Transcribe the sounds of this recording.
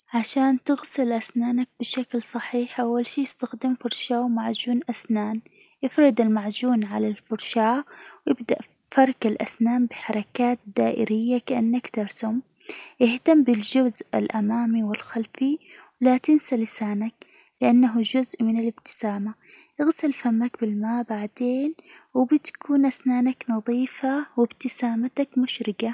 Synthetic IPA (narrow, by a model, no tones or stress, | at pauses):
ʕaʃaːnt̪ɪɣsɪlʔasnaːnak̚bɪʃaklsˤɑħiːħʔawːalʃiːjɪst̪axd̪ɪmfʊɾˤʃaːwmaʕd͡ʒuːnʔasnaːn | jɪfɾɪd̪ɪlmaʕd͡ʒuːnʕalalfʊɾʃaːwjɪb̚d̪a̰ʔ | fɑɾˤkalʔa̰snaːmbɪħɑɾˤɑkaːt̪̚d̪aːʔɪ̰ɾɪjːakaʔanːakt̪ɪɾˤsʊmʔɪht̪ambɪld͡ʒʊzʔa̰lʔamaːmiwɪlxalfiwlat̪ɪnsalɪsaːnak̚ | lɪʔanːaɦd͡ʒʊzʔmɪnalɪb̚t̪ɪ̥saːma | ʔɪɣsɪlfamːakbɪlmaːbaʕd̪eːnwɪbɪt̪ḁkʰuːnʔasnaːnaknɑðˤiːfawɪbt̪ɪsaːmat̪akmʊʃɾɪɡa